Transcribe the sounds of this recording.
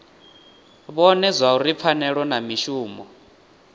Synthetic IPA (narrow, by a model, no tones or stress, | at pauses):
βɔnɛzʷauɾip̪fʰanɛɺɔnamiʃuːmɔ